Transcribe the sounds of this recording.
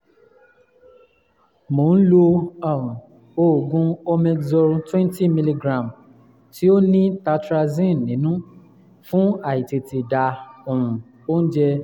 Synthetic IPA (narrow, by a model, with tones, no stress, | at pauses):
mo˨˦n̩˦lo˧ɔ˦˨ũ˨ | o˦˨ɡũ˧ɔ˧mɛ˧ɡzɔ˧ɾũ˧twɛ̃˦nti˦mi˧li˧ɡɾã˨m | ti˦o˦nĩ˦ta˧tɾa˧zĩ˦˨nĩ˨˦nũ˦ | fũ˦a˦˨i˨te˨ti˨da˨o˨ũ˨ | o˦n̩˦d͡ʒɛ˧